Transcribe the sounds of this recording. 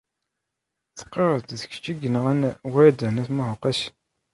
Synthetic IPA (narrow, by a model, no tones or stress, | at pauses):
θə̥qːəɾˤəd̪ðə̥ç̥t͡ʃːiɡənəʁænwæɾd̪ænæθmæhoqːæs